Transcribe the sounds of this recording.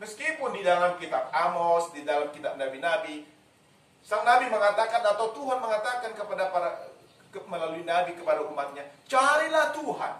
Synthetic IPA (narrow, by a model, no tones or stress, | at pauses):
məskipʊndidalamkit̪ak̚amɔsdidalamkit̪aʔ̚nabinabi | saŋnabiməŋat̪akanat̪awt̪uɦanməŋat̪akankəpadapaɾa | əməlaluinabikəpadaumat̪̚ɲat͡ʃaɾilaht̪uɦa̰n